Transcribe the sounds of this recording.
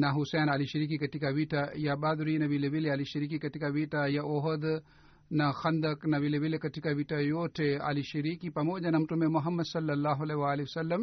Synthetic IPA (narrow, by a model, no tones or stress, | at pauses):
nɐɦusɛːnaːliʃɐɾiːk̬ikɐʈikaʋiʈʰajabaːd̪ɾiːnɐʋileʋilealiʃɐɾiːkikɐʈikaʋiʈajaʔoɦɐd̪ | nɐxɐnd̪ɐknɐʋileʋilekɐʈikaʋiʈajoʈʰea̰liʃɐɾiːkipɐmoːd͡ʒɐnɐmʈomemʊɦɐmːɐd̪sɐlːɐlːaːɦuɐleʋaːliʋɐsɐlːɐm